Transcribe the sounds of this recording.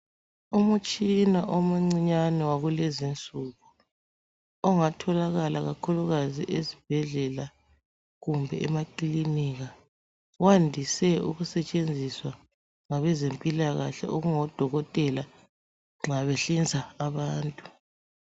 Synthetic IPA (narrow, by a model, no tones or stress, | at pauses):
umut͡ʃʼinaʔomuŋ͡ǀiɲanɛwaɣulezint͡sʼuɣu | ɔŋatʰɔlaɣalaɣakʰuluɣaziʔezib̥ʱɛɮɛla | ɣumbʱɛɛmakʼliniɣa | wandʱisɛṵɣusɛt͡ʃʼend͡zʱiswa | ŋaβɛzempʼilaɣaɬɛ̰ʔoɣuŋɔd̥ʱɔɣɔtʼɛla | ŋ͡ǁaβɛɬind͡zʱaːβaːntʼu̥